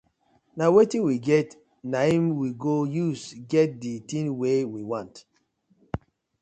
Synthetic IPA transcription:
nawetĩnwiɡɛt | naimwiɡojusɡɛt̚ditĩnwewiwãnt

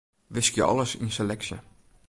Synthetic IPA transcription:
ʋɪskjə̰ɔ̰ləsinselɛksjə̰

